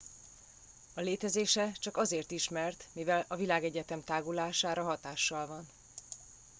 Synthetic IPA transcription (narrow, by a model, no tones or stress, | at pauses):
ɒleːt̪ɛzeːʃɛt͡ʃɒkɒzeːrt̪iʃmɛrt̪mivɛlɒvilaːɡɛɟɛt̪ɛmt̪aːɡulaːʃaːɾɒɦɒt̪aːʃːɒlvɒn